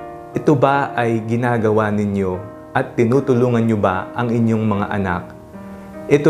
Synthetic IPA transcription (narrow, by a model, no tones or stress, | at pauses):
ʔɛt̪obaʔɐjɡɪnaːɡɐwanɪɲjo̞ | ʔɐt̪ːɪnuːt̪ʊluːŋɐnɲobaʔɐŋɪɲjo̞ŋmɐŋa̰ʔɐnak̚ | ʔɛt̪